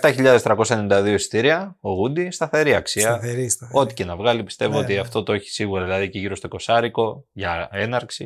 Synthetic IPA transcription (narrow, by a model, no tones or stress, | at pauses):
eft̪ɐçiʎɐðest̪ɾɐko̞sɐenenid̪ɐðioisi̥t̪iɾiɐoɣund̪ist̪ɐθe̞ɾiɐksiɐɾo̞t̪i̥ce̞nɐvɣɐlipi̥st̪e̞voot̪iɐft̪o̞t̪oeçi̥siɣuɾɐðilɐðiceʝiɾo̞st̪o̞ko̞sɐɾiko̞ʝɐe̞nɐɾksi